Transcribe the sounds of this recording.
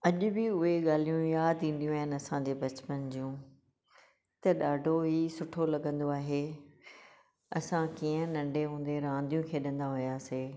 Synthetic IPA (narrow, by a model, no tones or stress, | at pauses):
ɐʄʊ̆bɪʊɦeɠaːl̤ijũjaːd̪ĩːn̆d̪ijũaːɦɪnɪ̆ɐsãd͡ʑeːbɐt͡ɕpənd͡ʑũː | t̪ɐɗaːɖʱoɦisʊʈʰolɐɠə̃nd̪oaːɦe | ɐsãkiːə̃nɐ̃ɳɖʱeɦũːnd̪eɾãːnd̪ijũkʰeːɗɐ̃nd̪aɦʊjaːseː